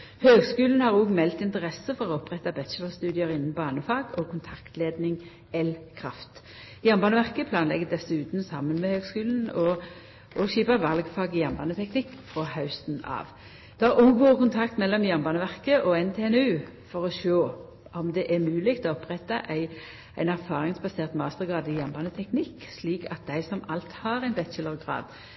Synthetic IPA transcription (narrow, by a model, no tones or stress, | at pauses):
høːɡskʉːln̩hɑʁuːɡmɛlt̪ɪnt̪əʁɛsəfɔʁɔɔpːʁɛt̪ːɑbɛt͡ʃəlɔst̪ʉːd̪ɪəʁɪnn̩bɑːnəfɑːɡɔkʰʊnt̪ʰɑkt̪leːd̪nɪŋ | ɛlkʰɾɑ̰ft̪ | jæʁmbɑːnəʋæʁkəpʰlɑːnlɛ̰ɡːəd̪ɛsːʉːt̪n̩sɑmːənmɛhøːɡskʉːln̩ɔ | ʔɔʃiːpɑʋɑlɡfɑːɡɪjæʁmbɑːnət̪ʰɛknɪkːfʁɔhɑʉst̪nɑ̰ːʋ | d̪̥ʉɑʁuɡuːkʊnt̪ʰɑkt̪mɛlːɔmjɑmbɑːnəʋæʁkəʔɔɛnt̪ʰeːɛnʉːfɔʁɔʃoː | ʔɔmd̪ɛʔæʁmʉːlɪɡt̪ʰɔɔpʁɛt̪ːɑʔæɪ | ʔæɪnæʁfɑːʁɪŋsbɑseːʁt̪mɑːst̪əʁɡʁɑːd̪ɪjɑmbɑːnət̪ʰɛknɪkːsliːkʰɑt̪̚d̪æɪsɔmɑlt̪hɑːɾæɪnbɛt̪ʃələʁɡʁɑ̰ːd̪̥